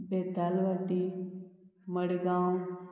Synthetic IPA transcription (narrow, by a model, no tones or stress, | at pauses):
beːd̪aːlʋaʈi | məɽɡãːũ